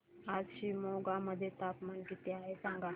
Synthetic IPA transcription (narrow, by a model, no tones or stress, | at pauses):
aːzʃiːmoːɡaməd̪ʱjet̪aːpmankit̪eaːɦesãŋɡa